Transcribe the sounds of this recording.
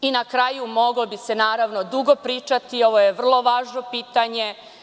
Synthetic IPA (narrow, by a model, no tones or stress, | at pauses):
inakɾajumo̞ɡlobise̞naːɾaʋno̞d̪uɡo̞pɾiːt͡ʃat̪io̞ʋojeʋr̩lˠo̞ʋaːʒno̞piːt̪aɲe̞